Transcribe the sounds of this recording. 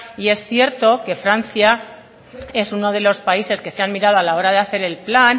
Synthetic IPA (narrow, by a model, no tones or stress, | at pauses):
ie̞sθje̞ɾt̪o̞ke̞fɾanθja | e̞suno̞ð̞e̞lo̞spaise̞ske̞seanmiɾað̞o̞alao̞ɾaðe̞aθe̞ɾe̞lplan